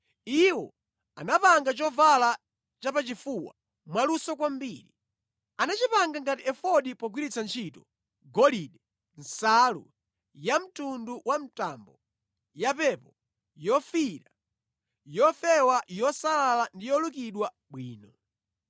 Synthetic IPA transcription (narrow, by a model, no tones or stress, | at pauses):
iwɔ | a̰napaŋɡat͡ʃɔvala | t͡ʃapat͡ʃifuwa̰ | mwalusɔkwambiɾi | anat͡ʃipaŋɡaŋɡatiɛfɔɗipɔɡwiɾit͡sʰant͡ʃʰitɔ | ɡɔliɗɛ | n̩salṵ | jam̩tunduwam̩tambɔ | japɛpɔ | jɔfiɾa | jɔfɛwajɔsalalandijɔlukiɗwa | ɓwiːnɔ